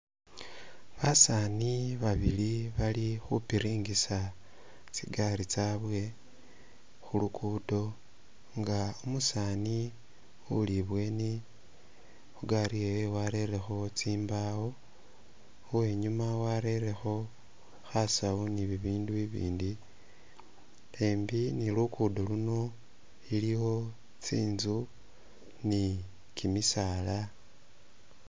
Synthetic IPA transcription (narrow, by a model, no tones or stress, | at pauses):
βasaniβaβiliβalixupiɾiːŋɡisa | t͡siɡaɾit͡saβwe̞ | xulukudo̞ | ŋɡaumusaːni | uliβwe̞ni | xuɡaɾijewewaɾe̞ɾe̞xo̞t͡siːmbawo̞ | we̞ːɲumawaɾe̞ɾe̞xo̞ | xasawoniβiβiːnduiβḭːndi | le̞ːmbinilukuːdoluno̞ | iliwo̞ | t͡siːnzu | ni | kimisaːla